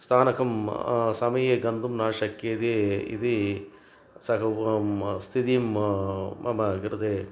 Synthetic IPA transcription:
st̪ʰaːnɐkʰɐmsɐmɐjeːɡɐnd̪umnaːʂɐkːeːd̪eḭd̪i | sɐkɐ | st̪ʰit̪ijm | mɐmɐɡɾɐd̪eː

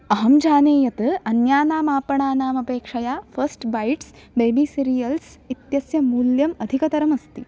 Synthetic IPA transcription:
ɐɦɐmd͡ʒʱaːneːjɐt̪ɨɐnjaːnaːmaːpɐɳaːnaːmɐpeːkʂɐjaːfʰɐɾsʈbɐjʈs | beːbisiɾijɐlsit̪jɐsjɐmuːljɐmɐd̪ʱikɐt̪ɐɾɐmɐst̪i

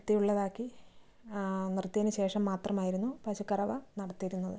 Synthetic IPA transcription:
t̪ːijuɭːɐðaːkːi | nrt̪ːijɐnɨɕe̞ːʂɐmːaːt̪rɐmaːjiɾunːupɐɕukːɐrɐʋɐnɐɽɐt̪ːijɾunːɐðɨ

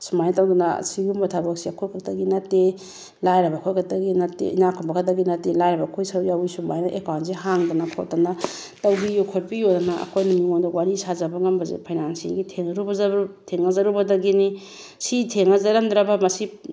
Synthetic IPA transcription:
sumajntawdunɐ̰siɡumbɐtʰabɐk̚siɐkʰojkʰak̚tɐɡinɐtːe | lajɾɐbakʰojkʰak̚tɐɡinɐtːḛʔinakʰɔbakʰatdɐɡinɐtelajɾɐbɐkʰojsaɾjawisumajnaʔekawntsiɦaŋdɐnakʰo̰t̚dɐna | tɐwbijokʰot̚pijodɐnaɐ̰kʰojnamiŋondawaɾisazɐbɐŋɐmbɐzḛpʰajnansḭŋɡitʰeŋɐɾubɐzautʰeŋɐzaɾubɐdɐɡini | sitʰeŋɐzaɾɐmd̪ɾabɐmɐsi

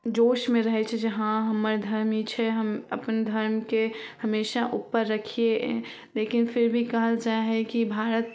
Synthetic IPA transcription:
d͡ʒoːʃmeɾəɦɛt͡ʃʰɛd͡ʒəɦãɦəməɾd̪ʱəɾmit͡ʃʰɛɦəməpənd̪ʱəɾmkehəmeːʃaʔupːəɾːəkʰie | lekinpʰɪɾbʱikəɦəld͡ʒaɦɛkibʱaɾət̪

